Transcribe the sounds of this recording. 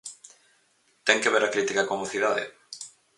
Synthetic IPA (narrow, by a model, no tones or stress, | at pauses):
t̪ɛŋkeβeɾakɾit̪ikakomoθiðaðɪ̰